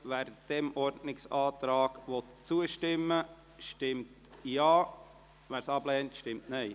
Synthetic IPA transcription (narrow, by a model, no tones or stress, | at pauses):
ʋæːɾd̥ɛmɔɾdnɪksɑːt̪ɾɑːɡ̥ʋɔt̪t͡suəʃtɪmːə | ʃtɪmt | jɑː | ʋæːɾsɑb̥lɛːntʃtɪmtnɛɪ